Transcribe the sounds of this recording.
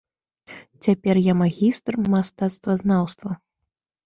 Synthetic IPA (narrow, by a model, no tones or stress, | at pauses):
t͡sʲapʲɛrjamaɣʲist̪rmast̪at̪st̪vɐznawst̪vɐ